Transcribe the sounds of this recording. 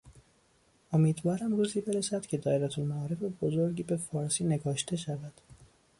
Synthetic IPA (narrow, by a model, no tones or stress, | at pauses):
o̞miːd̪vɒːɾæmruːziːbe̞ɾesæd̪̥cʲʰe̞d̪ɒːeɾæt̪ʰulmæɒːɾe̞febozoɾɟiːbe̞fɒːɾsiːneɡɒːʃt̪ʰe̞ʃævæd̪̥